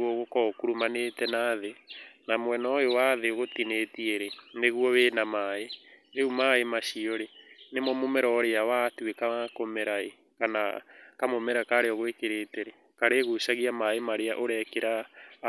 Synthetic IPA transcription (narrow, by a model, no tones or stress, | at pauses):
oɣokɔkuɾumanetɛnaːðenamwɛnɔjowaðeoɣotinetieɾeneɣuɔweːnamaeðeumaemaʃiɔɾenemɔmomɛɾɔɾeawatwekakomeɾae | kana̰kamomɛɾakaɾeɔɣoekeɾeːteɾe | kaɾeɣusaɣiamaemaɾeaʔoɾɛkeɾa